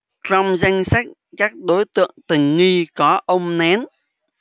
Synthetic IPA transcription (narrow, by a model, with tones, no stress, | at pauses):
tɾa˧wmza˧jŋ̟sa˦˥k̚ | kaː˦˥k̚ɗo˨˦jt̪ɨ̰˧˨əŋt̪ï˨˩ŋ̟ŋi˧kɔ˨˦ʔə˧wŋ͡mnɛ˨˦n